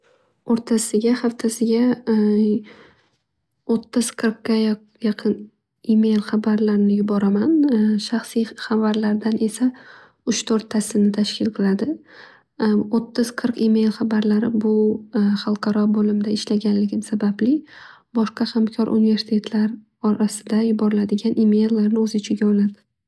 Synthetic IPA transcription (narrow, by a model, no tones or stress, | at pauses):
oɾt̪ʰasɪɡʲaχaft̪ʰasɪɡʲa | ot̪ʰːɪz̥qʰɨɾqːaj | jɑqʰɨn | ime̞jlˠχabaɾlaɾnɪjʊbɒɾamanʃaχsijχavaɾlaɾd̪anʔe̞sa | ʊʃt̪ʰoɾt̪ʰːasɪnɪt̪ʰaʃkʲʰɪlˠqʰɨlˠad̪ɪ | ot̪ʰːɪz̥qʰɨɾqime̞jlˠχabaɾlaɾɪbʊχɑlˠqʰɑɾɒbolɪmd̪aɪʃlaɡʲanlɪɡʲɪmsabablɪ | bɒʃqɑhamkʲʰɒɾʔṵnɪve̞ɾsɪ̥t̪ʰe̞t̪ʰlaɾ | ɒɾasɪd̪ajʊbɒɾɪlad̪ɪɡʲanʔime̞jlːaɾnɪɵzɪt͡ʃʰɪɡʲaɒlad̪ɪ